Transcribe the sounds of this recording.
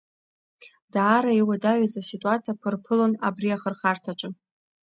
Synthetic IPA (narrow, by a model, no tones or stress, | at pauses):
daːɾaiwadaʕʷazasitʼuat͡sʰijapʰɨrpʰɨlona̰briaχərχartʰat͡ʃʼɨ